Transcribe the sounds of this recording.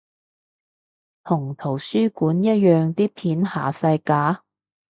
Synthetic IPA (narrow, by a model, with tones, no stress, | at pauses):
t̪ʰʊ˨˩ŋt̪ʰo˨˩wsyː˥kuː˨˥njɐ˥t̚jœː˨ŋt̪iː˥pʰiː˨˥nha̰ː˨˩sɐ˧jkaː˨˥